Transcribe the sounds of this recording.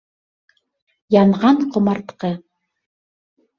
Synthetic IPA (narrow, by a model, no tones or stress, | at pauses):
jɑɴʁɑnqŏmɑɾt̪qɤ